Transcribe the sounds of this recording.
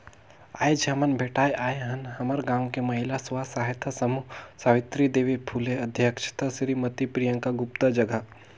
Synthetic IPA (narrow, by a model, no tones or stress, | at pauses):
a̰ːed͡ʒamənbʱeːʈaːjʔaːjɦɐnhɐməɾɡãːŋkemɐɦɪlasʋaːsaːɦet̪ʰasɐmusaːʋɪt̪ɾid̪eːʋipʰuːleɐd̪ʱjəkʃʰt̪ɐsɾimɐt̪ipɾijə̃ŋkaɡʊpt̪əd͡ʒɐɡə